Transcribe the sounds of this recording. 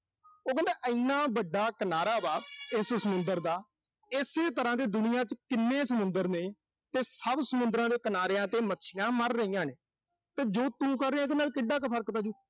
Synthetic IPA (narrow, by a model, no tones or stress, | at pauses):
oːkə̃nd̪eːʔəɪnːãːbəɖaːkənaːɾaːbaːɪssəmʊnd̪əɾd̪aː | ɪseːt̪əɾãːd̪eːd̪ʊnɪjãːt͡ʃkɪnːeːsəmʊnd̪əɾneː | t̪eːsəbsəmʊ̃nd̪ɾãːd̪eːkənaːɾeːãːt̪eːmətːʃʰɪjãːməɾːəɦijãːneː | t̪eːd͡ʒoːt̪ũːkəɾːeːãːɪd̪eːnaːlkɪɖːaːkepʰəɾkpɛːd͡ʒuː